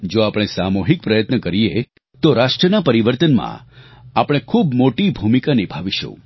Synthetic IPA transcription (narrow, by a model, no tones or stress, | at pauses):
d͡ʒoapɽ̃esamoɦik̚pɾəjət̪nəkəɾije | t̪oɾaʂʈɾənapəɾiʋəɾt̪ənmã̰apəɽ̃ekʰubmoʈibʱumikanibʱaʋiʃṵ̃